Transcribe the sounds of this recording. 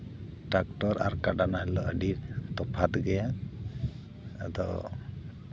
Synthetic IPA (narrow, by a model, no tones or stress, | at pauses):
ʈak̚ʈɔɾa̰ɾkaɖanaɦɛlɔʔəɖiɾt̪ɔpʰat̪ɡɛja | d̪ɔ